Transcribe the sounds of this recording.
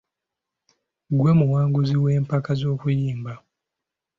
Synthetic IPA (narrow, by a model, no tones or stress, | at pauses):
ɡwemuwaːŋɡuziwe̞ːmpakazo̞ːkujiːmba